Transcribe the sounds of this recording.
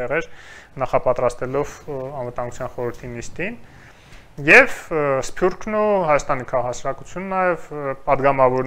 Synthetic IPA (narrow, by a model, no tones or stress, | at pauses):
ɛʁɛɾnɑχɑpɑt̪ɾɑst̪ɛlɔvɑnvət̪ɑŋɡut͡sʰjɑnχɔɾəɾt̪ʰinist̪in | jɛvspʰjuɾkʰnuhɑjɑst̪ɑnikʰɑʁɑhɑsɑɾɑkut͡sʰjunənɑjɛvpɑd̪ɡɑmɑvɔɾn